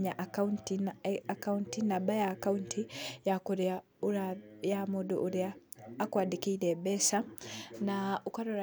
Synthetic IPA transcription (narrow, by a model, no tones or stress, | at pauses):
ɲaʔauntiakauntinabajaːkauntʰijakuɾa | uɾajamudṵʔːɾiaːkwaːdikiɾebesanaukaɾoɾa